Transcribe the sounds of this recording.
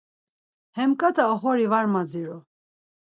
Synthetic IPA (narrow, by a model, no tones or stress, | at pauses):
hɛmkʼat̪ʰaɔχɔɾivaɾmad͡ziɾu